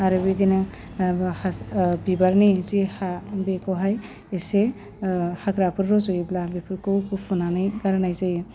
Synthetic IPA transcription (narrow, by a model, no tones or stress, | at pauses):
aɾɯbidina | habibaɾnizihabekɔɦaj | ese | haɡɾapʰɯɾɾɔzɔjblabipʰɯɾkɔkupʰunanajɡaɾnajzaj